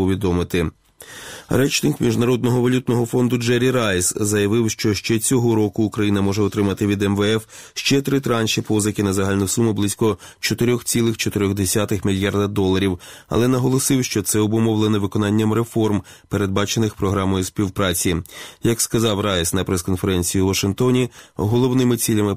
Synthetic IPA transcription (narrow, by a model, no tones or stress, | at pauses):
ɔʋʲid̪ɔmɪt̪ɪ | rɛt͡ʃt̪ɪkmʲiʒnɐɾɔd̪nɔɦɔʋɐlʲut̪nɔɦɔfɔnd̪ʊd͡ʒɛɾʲiɾɑjszɐjɐʋɪwʃt͡ʃɔʃt͡ʃɛt͡sʲɔɦɔɾɔkʊːkɾɐjinɐmɔʒɛɔt̪ɾɪmɐt̪ɪʋʲid̪ɛmʋɛɛf | ʃt͡ʃɛt̪ɾɪt̪ɾɑnʲʃipɔzɐkɪnɐzɐɦɑlʲnʊsumʊblˠɪsʲkɔt͡ʃɔt̪eɾʲɔxt͡sʲilˠɪxt͡ʃɔt̪eɾʲɔɣd̪esʲat̪ɪxmʲilʲjɑrd̪ɐd̪ɔlˠːɐɾʲiwɐ̰lˠɛnɐɦɔlˠɔsɪwʃt͡ʃɔt̪sɛɔbʊmɔwlˠenɛʋɪkɔnɑnʲːɐmɾe̞fɔrmpeɾed̪̚bɑt͡ʃenɪxpɾɔɦɾɑmɔjʊsʲpʲiwpɾɑt͡sʲijɐkskɐzɑwrɑjsnɐpɾɛskɔnfeɾɛnʲt͡sʲijiuʋɐʃɪŋkt̪ɔnʲiɦɔlˠɔwnɪmɪt͡sʲilʲɐmɪ